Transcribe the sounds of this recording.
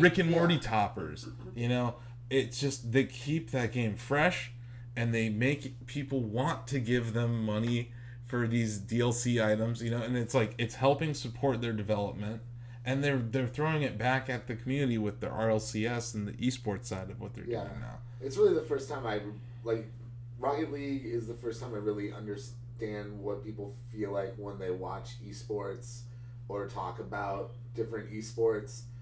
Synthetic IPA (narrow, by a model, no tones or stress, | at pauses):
ɹɪkɨ̃nmɔɹɾitʰɑpə̰˞z̥ | jɨnoʊ | ɪtsd̥ʒ̥ʌst̪̚ðeɪkʰip̚ðɨt̚ɡ̥ẽɪ̃ɱfɹɛʃ | ɨ̃nðeɪmeɪkpʰipl̩ˠwɑ̃ntʰɨɡɪvðɨ̃mːʌni | fə˞ðizdiɛlˠsiaɪɾə̃mzjɨnoʊɨ̃nɨtslaɪkɨtshɛlˠpɪ̃ŋsɨpʰɔɹt̪̚ðə˞dɨvɛlˠəp̚mɨ̃nt̚ | ʔɨ̃nðə˞ðə˞θɹoʊɪ̃ŋɨt̚b̥ækɨt̪̚ðɨkʰm̩jʉnɨɾiwɨðḭʔɑ̰ɹɛlˠsiɛsn̩ðḭʔispɔɹtsaɪɾʌvwʌt̪̚ðə̰˞djʉæ̰ɪ̰̃ŋna̰ʊ | ɨtsɹɪlˠiðəfɜ˞stʰãɪ̃maɪ | laɪk | ɹɑkɨtˡliɡɪzðəfɜ˞stʰãɪ̃maɪɹɪlˠiʔʌ̰̃ndə˞s | tæ̃nd̚wʌt̚pʰipl̩ˠfilaɪkwə̃nðeɪwɑ̰t͡ʃ | ispɔɹts | ə˞tʰɔ̰kəbaʊt̚ | d̥ɪfɹɨ̃ntispɔɹts